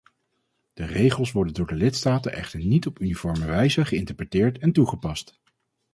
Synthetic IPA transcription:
d̥ərejχəlˠsʋɔɹdəndʊːɹdəlɪtstaːtənʔɛχtəɹnitɔpynifɔɹməʋɛjzəχəɪntəɹprətɪːɹtɛntuχəpɑst

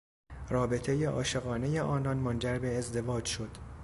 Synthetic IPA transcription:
rɒːbe̞t̪ʰe̞jeʔɒ̰ːʃe̞ɣɒːne̞jeʔɒːnɒnmond͡ʒæɾbe̞ːzd̪e̞vɒːd͡ʒʃo̞d̪̥

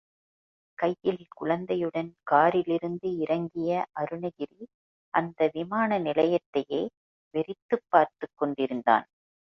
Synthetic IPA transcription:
kɐjːɪlɪkʊɻɐnd̪ɐjɯɽɐnkaːɾɪlɪɾɯnd̪ɯɪɾɐŋɡɪjɐʔɐɾɯnɐɣɪɾi | ʔɐnd̪ɐʋɪmaːnɐnɪlɐjɐt̪ːɐjeː | ʋɛɾɪt̪ːɯpːaːɾt̪ɯkːɔɳɖɪɾɯnd̪a̰ːn

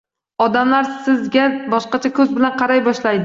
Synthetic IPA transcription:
ɒd̪amlaɾsɪzɡʲabɒʃqɑt͡ʃʰakʲʰɵzbɪlanqʰɑɾajbɒʃlajd̪ɪ

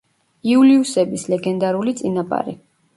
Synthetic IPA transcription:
iuliusɛbislɛɡɛnd̪aɾulit̪sʼinapʼa̰ɾḭ

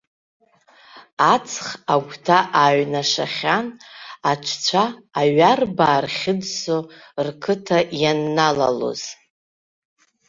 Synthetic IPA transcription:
at͡sʰχaɡʷtʰaʔaɥnaʂa̰χʲanaʈ͡ʂʷʰt͡ɕʷʰaːɥarbaːrχʲɪdso | rkʰɨtʰajanːala̰lo̞̰z̥

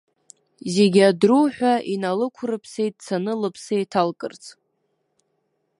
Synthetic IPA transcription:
zeɡʲadruħʷᶣainalɨkʷʰrɨpʰsejt̚ʼt͡sʰanɨlɨpʰsejtʰalkʼɨ̰rt͡sʼ

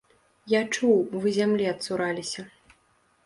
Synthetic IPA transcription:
jat͡ʂuwvɨzʲamlʲiɐt̪suɾalʲisʲɐ

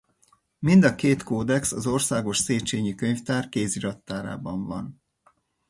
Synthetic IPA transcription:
mind̪ɒkeːt̪koːd̪ɛksɒzo̞rsaːɡo̞ʃseːt͡ʃeːɲikøɲft̪aːrkeːziɾɒt̪ːaːɾa̰ːbɒɱvɒn

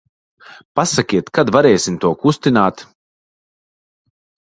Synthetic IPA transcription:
pasakʲiɛt̪kad̪vaɾɛːsimt̪uɔkust̪inaːt̪

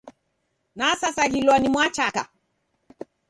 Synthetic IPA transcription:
nasasaɣilwɔnimwat͡ʃaka̰

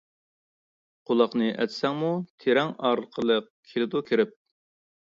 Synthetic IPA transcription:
qʰolˠɑqnɨʔɛ̰t̪sɛŋmut̪ʰeɾɛŋɑːɾlˠəqʰəlˠəq̚ | kʲʰelɪd̪ukʲʰiɾɪp̚

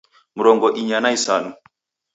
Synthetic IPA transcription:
muɾɔŋɡɔʔiɲanaisanu

